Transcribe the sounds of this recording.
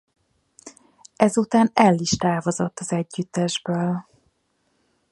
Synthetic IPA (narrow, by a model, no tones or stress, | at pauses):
ɛzut̪aːnɛlːiʃt̪aːvozo̞t̪ːɒzɛɟːyt̪ːɛʒbøːl